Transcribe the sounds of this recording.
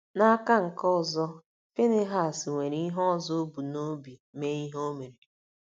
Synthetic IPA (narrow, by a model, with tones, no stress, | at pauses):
na˦ka˦ŋ̩˨kɔ˦˨zɔ˦ | fe˦ne˦ɦa˨sŋʷe˨ɾi˦ɦɔ˦˨zo˦bu˨no˦bjme˦i˦ɦo˦me˨ɾi˨